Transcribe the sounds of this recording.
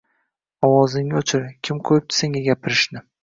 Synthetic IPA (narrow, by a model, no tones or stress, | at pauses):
ɒwɒzɪŋʲɪot͡ʃʰɪɾkʲʰɪmqʰojɪp̚t̪ʰɪ̥seŋɡʲaɡʲapʰɪɾɪʃnɪ